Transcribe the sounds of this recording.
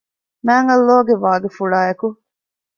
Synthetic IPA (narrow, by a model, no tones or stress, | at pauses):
mæːŋɐlːoːɡeʋaːɡefuɭaːjɐku